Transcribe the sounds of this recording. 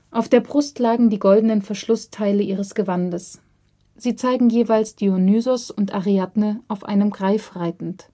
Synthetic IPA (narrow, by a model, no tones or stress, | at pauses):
ʔaʊfd̥eːɐbʁʊstʰlaːɡŋ̩diːɡɔldənənfɛɐʃlʊstʰaɪləʔiːʁəsɡ̥əvandəs | z̥iːt͡saɪɡŋ̩jeːvaɪlsd̥iːonyːzʊsʊntʔaʁiatnəʔaʊfʔa̰ɪnəmɡʁaɪfʁ̥aɪtn̩t